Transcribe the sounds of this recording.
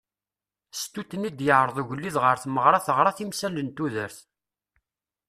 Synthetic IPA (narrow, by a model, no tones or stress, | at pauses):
st̪ut̪ːnid̪jəʕɾˤəðˤuʝəlːiðʁəɾθməʁɾˤɑθəʁɾˤɑθimsælənt̪uðəɾθ